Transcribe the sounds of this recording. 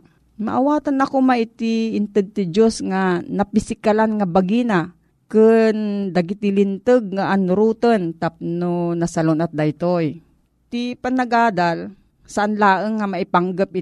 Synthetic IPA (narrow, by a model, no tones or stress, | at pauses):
ma̰ʔawaːt̪anɐkomaʔɪt̪iɪnt̪ɨd̪̚t̪ɪd͡ʒosŋanɐpɪsɪkalanŋabaɡina | kɨnd̪ɐɡɪt̪ɪlɪnt̪ɨɡ̚ŋaʔanʊɾuːt̪ont̪ap̚nonɐsɐlonɐt̪̚d̪ajt̪oj | t̪ipanɐɡaːd̪al | sɐʔanlaːʔəŋːamaʔɪpaŋɡəp̚ɪ